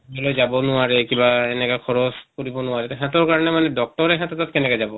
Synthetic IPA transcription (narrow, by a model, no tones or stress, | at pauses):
ɔlojzabɔnʊaɹɛkibaenɛkakʰɔɹɔskoɹibɔnʊaɹɛtɔɦɛtɔɹkaɹɔnɛmanɛdɔk̚tɔɹɛɦɛtɔtat̚kɛnɛkazabɔ